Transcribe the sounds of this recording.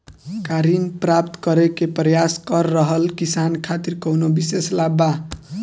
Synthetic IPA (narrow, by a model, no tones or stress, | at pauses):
kaɾinprap̚t̪kʌɾekeprʌjaskʌrːʌɦʌlkisankʰat̪irkʌwnobiseslaba